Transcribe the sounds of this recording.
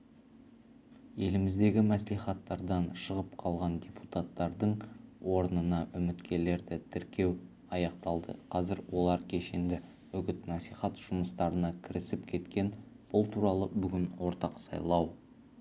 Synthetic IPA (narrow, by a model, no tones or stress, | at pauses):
je̞lɪmɪzd̪e̞ɡʲɪmæsliχɑt̪ːɑɾd̪ɑnʃəʁəpqʰɑlˠʁɑnd̪ʲeput̪at̪ːɑɾd̪əɴwo̞ɾənənɑʔʏmɪt̪kʲe̞le̞ɾd̪ɪt̪ʰɪɾkʲe̞w | ɑjɑqt̪ɑlˠd̪ə̰qʰɑzɪɾwo̞lˠɑɾkʲʰe̞ʃend̪ɪ | ɵɡʲɪt̪nɑsliχɑt̪ʒ̥ʊməst̪ɑɾənɑkʲʰɪɾɪsɪpkʲʰe̞t̪kʲe̞n | b̥ʊlˠt̪ʰuɾɑlˠəbʏɡʲɪnwo̞ɾt̪ɑqsɑ̰jlˠɑw